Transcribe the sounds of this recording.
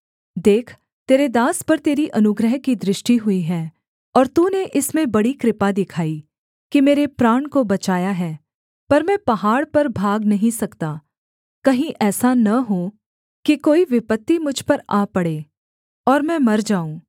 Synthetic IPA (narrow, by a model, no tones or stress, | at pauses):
d̪eːkʰ | t̪eːɾed̪aːspɐɾt̪eːɾiʔɐnʊɡɾəɦkid̪ɾɪʃʈiɦʊiɦɛː | ɔːɾt̪uːneʔɪsmẽbɐɽikɾɪpad̪ɪkʰaːi | kimeːɾepɾaːɳkobɐt͡ʃaːjaɦɛː | pɐɾmɛ̃pɐɦaːɽpɐɾbʱaːɡnɐɦĩsɐkt̪aː | kɐɦĩʔɛːsanɐɦo | kikoːiʋɪpət̪ːimʊd͡ʒʱpɐɾaːpɐɽeː | ɔːɾmɛ̃ːmɐɾd͡ʒaːũː